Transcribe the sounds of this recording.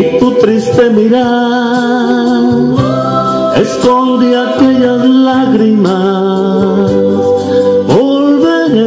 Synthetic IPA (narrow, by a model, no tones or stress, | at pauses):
it̪ut̪ɾist̪emiɾa | eskond̪iakeʎazlaɣɾima | s | bo | lβeɾe